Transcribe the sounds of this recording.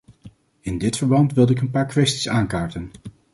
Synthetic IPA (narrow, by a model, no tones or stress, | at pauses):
ɪndɪtfəɹbɑntʋɪlˠdəɪkənpaːɹkʋɛsti̥saːnkaːɹtən